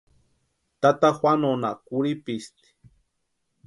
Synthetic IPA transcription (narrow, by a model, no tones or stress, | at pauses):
t̪at̪axwʷanonakuɾipist̪i̥